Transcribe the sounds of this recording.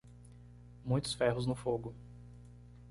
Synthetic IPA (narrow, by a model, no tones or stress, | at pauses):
mũj̃t̪ʊ̥sfɛɦʊznʊfoɡʊ